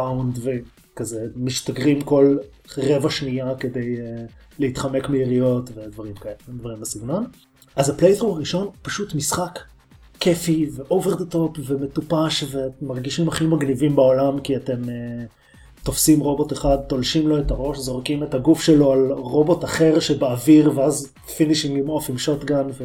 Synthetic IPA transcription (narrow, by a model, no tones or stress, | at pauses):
awndve | kazemiʃtaɡʁimko̞l | ʁe̞vaʃniake̞de̞j | leit̪χamekmeiʁijo̞tve̞dvaʁimkaedvaʁimasiɡno̞n | azaplejdʁumaʁiʃo̞npaʃutmisχakː | efiveʔoveʁd̪eto̞pveme̞tupaʃvemaʁɡiʃimaχimaɡnivimbaolamkiate̞me | t̪o̞fsimʁo̞boteχad̪̚t̪o̞lʃimlo̞etaʁo̞ʃzo̞ʁkimetaɡufʃelo̞alʁo̞bo̞taχe̞ʁʃebaːviʁveaz | finiʃimimofimʃo̞tɡanve